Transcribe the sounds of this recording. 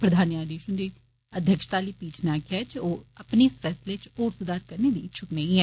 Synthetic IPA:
pɾəd̪ʱaːniaːd̪iːʃʊnd̪iː | əd̪ʱjəkʃt̪aːliːpiːʈʰnaːkɛt͡ʃoːəpneːsfʰɛːslet͡ʃoːɾsʊd̪aːɾ̚kəɾneːd̪iːt͡ʃʰʊkneĩɦɛː

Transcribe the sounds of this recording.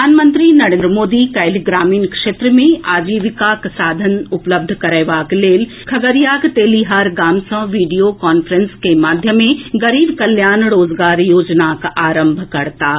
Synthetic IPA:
aːnmə̃nt̪ɾinɐɾẽnd̪ɾəmoːd̪ikɐjliɡɾaːmiːnkʂeːt̪ɾmẽaːd͡ʒiːʋɪkaksaːd̪ʱənʊpləb̚d̪ʱkɐɾəjʋaːkleːl | kʰɐɡəɾijaːkt̪eːliɦaːɾɡaːmsɐ̃ʋiːɖijokaːnfɾə̃nskemaːd̪ʱjəmẽɡɐɾiːbkɐljaːnɾoːzɡaːɾjoːd͡ʒnakaːɾə̃mbʱkɐɾt̪aː

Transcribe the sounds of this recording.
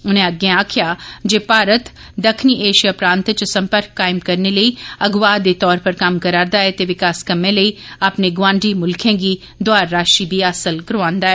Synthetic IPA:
ʊnɦẽɐɡeãːkʰjad͡ʒeːpaːɾət̪ | d̪ɐkʰniʔeːʃijapɾãːnt̪t͡ʃsɐ̃mpəɾkːaːɪmkɐɾneləiɐɡʋaːd̪et̪ɔːɾpɐɾkaːmkɐɾaːɾd̪aːɦɛt̪eʋɪkaːskɐmẽləiɐpneɡʋãːɳɖʱimʊlkʰẽːɡi | d̪waːɾːaːʃibʱiaːsəlkəɾʋãːnd̪aːɦɛ

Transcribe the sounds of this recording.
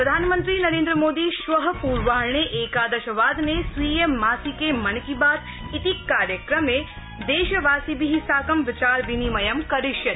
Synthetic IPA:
ppɾɐd̪ʱaːnmə̃nt̪ɾiːnɐɾeːnd̪ɾəmoːd̪iʃʋɐɦɐ̆puːɾʋaːɾɳeʔeːkaːd̪ɐʃɐʋaːd̪nesʋiːemaːsikemɐɳkibaːd̪ | it̪ikːaːɾjəkɾɐme | d̪eːʃɐʋaːsibiɦisaːkɐmʋɪt͡ʃaːɾʋinimɐjɐmkɐɾɪʃjɐt̪

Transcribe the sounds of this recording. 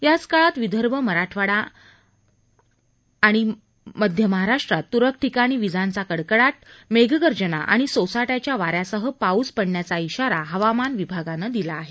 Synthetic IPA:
jat͡skaɭat̪ʋid̪ʱəɾbəməɾaʈʰʋaɽa | ɽ̃i | məd̪ʱjəməɦaɾaʂʈɾat̪ːuɾək̚ʰʈʰikaɽ̃iʋid͡zãnt͡sakəɽkəɽat̪̚meɡɡəɾd͡ʑəna̰ʔa̰ɽ̃isosaʈjat͡ɕjaʋaɾjasəɦəpauspəɳːjat͡saiɕaɾaɦəʋamanʋibʱaɡanəd̪ilaːɦe

